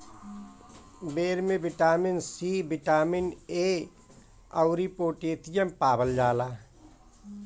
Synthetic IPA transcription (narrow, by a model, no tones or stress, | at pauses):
beːɾmẽbɪʈaːmɪnsibɪʈaːmɪneː | əʊɾipoːʈeːt̪ijempaːbəld͡ʒaːlaː